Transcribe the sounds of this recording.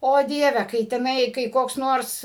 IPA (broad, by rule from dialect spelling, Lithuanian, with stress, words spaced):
oː ˈdʲiɛʋʲɛ kɐɪ tʲɛˈnɐɪ kɐɪ koːks ˈnoːrs